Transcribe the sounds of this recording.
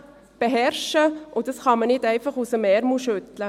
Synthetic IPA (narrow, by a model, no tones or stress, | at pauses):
b̥eɦɛrʃəʔʊdɑsχɑmənɪdæɪfɑχusəmɛɾmuʃʏtlə